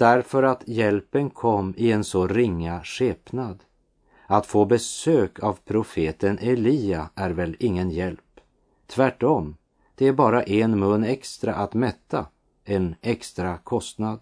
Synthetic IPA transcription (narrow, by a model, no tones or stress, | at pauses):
d̪̥æɾfœɾat̪jɛlpənkʰɔmːɪɛnsɔɾɪŋːaʂeːpnad̪ | at̪foːbɛsøːkʰavpʰɾʊfeːt̪ənʔɛliːaæɾvɛlɪŋːənjɛlp | t̪ʰvæʈːɔm | d̪̥ɛæɾbɑːɾaʔɛnmɵnːɛkst̪ɾaʔat̪mɛt̪ʰːa | ɛnɛkst̪ɾakʰɔst̪nad̪